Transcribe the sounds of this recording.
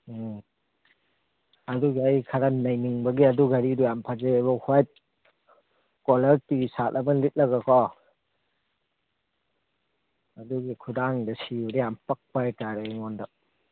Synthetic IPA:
ɐduɡiajkʰaɾɐnɐjniŋbɐɡiɐduɡaɾidujampʰad͡ʒabɔhʰwajt̚ | kɔlɐɾtisatʔɐbɐnlit̚lɐɡakʰɔ | ɐduɡikʰudaŋdɐsiuɾijampɐk̚pajtaɾeŋɔndɔ

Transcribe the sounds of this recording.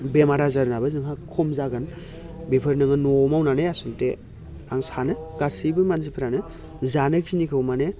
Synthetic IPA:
bemaɾazaɾunabɯzɯŋɦakʰɔmzaɡɯn | bepʰɯɾnɯŋɯnomawnanɯjasulte | aŋsanɯɡasibɯmanzipʰɯɾanɯ | zanɯkʰinikʰɯwmanɯ

